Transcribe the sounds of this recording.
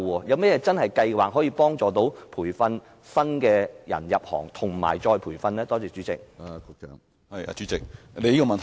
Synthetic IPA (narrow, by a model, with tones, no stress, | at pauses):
ɔː˧jɐ˨˧wmɛː˥jɛː˨˧˥t͡sɐ˥nhɐ˨jkɐ˧jwaː˨k̚ɦɔː˨˥jiː˧pɔː˥ŋt͡sɔː˨t̪o˨˥wpʰuː˨˩jfɐ˧n | sɐ˥nkɛː˧jɐ̰˨˩njɐ˨p̚hɔ̰ː˨˩ŋt̪ʰʊ˨˩ŋma̰ː˨˩jt͡ʃɔː˧jpʰuː˨˩jfɐ˧nlɛː˥t̪ɔː˥t͡sɛː˧˥t͡ʃy˨˥t͡sɪ̰˨k̚a˧kʊ˧k̚t͡ʃɛ̰ː˨˧ŋ | hɐ˨ja̰ː˧t͡ʃyː˨˥t͡sɪ˨k̚ | le˨˧jiː˥kɔ˧mɐ˨nt̪ʰ